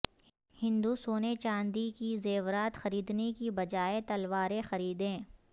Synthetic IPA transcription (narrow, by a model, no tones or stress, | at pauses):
hɪ̃nd̪usoːnet͡ʃãːnd̪ikizeːʋɾaːt̪xɐɾiːd̪nekibɐd͡ʒaːet̪ɐlʋaːɾexɐɾiːd̪ẽː